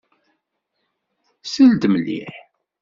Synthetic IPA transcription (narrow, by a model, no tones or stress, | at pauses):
sild̪əmlːḭħ